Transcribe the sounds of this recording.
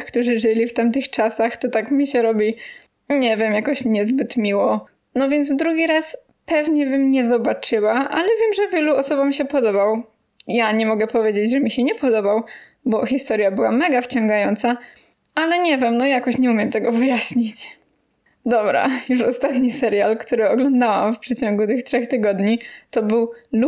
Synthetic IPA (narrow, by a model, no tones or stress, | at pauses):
xkt̪uʐɘʐɘlʲift̪amt̪ɘxt͡ʂasaxt̪ɔt̪akmʲiɕɛɾɔbʲi | ɲɛvʲjɛmjakɔɕɲɛzbɘt̪mʲiwɔ | nɔvʲjɛnd̪zd̪ɾuɡʲiɾas | pɛvɲɛbɘmɲɛzɔbat͡ʂɘwaʔalɛvʲjɛmʐɛvʲjɛluɔsɔbamɕɛpɔd̪ɔbaw | jaɲɛmɔɡɛpɔvʲjed͡ʑed͡ʑʐɛmʲiɕɛɲɛpɔd̪ɔbaw | bɔxʲist̪ɔɾjabɘwamɛɡaft͡ɕɔŋɡajɔnt̪sa | alɛɲɛvʲjɛmnɔjakɔɕɲɛumjɛmt̪ɛɡɔvɘjaɕɲit͡ɕ | d̪ɔbɾa̰juʂɔst̪at̪ɲisɛɾjalkt̪uɾɘɔɡlɔnd̪awamfpʂɛt͡ɕɔŋɡut̪ɘxtʂɛxt̪ɘɡɔd̪ɲit̪ɔbɘwl